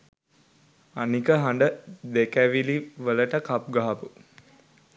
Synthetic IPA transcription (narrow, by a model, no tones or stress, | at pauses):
anikəɦaɳɖəd̪ekæʋiliʋələʈəkap̚ɡaɦapu